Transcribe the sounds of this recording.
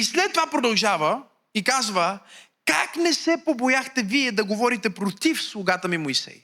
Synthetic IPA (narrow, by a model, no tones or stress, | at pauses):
islɛt̪ːovapɾod̪ɐlˠʒavə | ikazvə | ka̰knɛsɛpobojaxt̪ɛviɛd̪ɐɡovɔɾit̪ɛpɾot̪ifslˠʊɡat̪əmimojsɛ̰j